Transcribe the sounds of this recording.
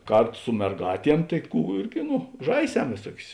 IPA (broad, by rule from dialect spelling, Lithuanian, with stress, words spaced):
ˈkɐrˌtʊ sʊ mʲɛrˈɡɑːtʲiɛm tɐɪ ˈkuː ˈɪrʲɡʲɪ ˈnʊ ˈʒɐɪˌsʲɛm ʋʲeːˈsuɔkʲʊs